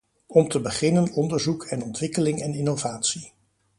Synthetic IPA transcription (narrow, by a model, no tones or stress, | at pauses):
ɔmtəbəχɪnənɔndəɹzukʰɛnɔntʋɪkəlɪŋɛnɪnovaːtsi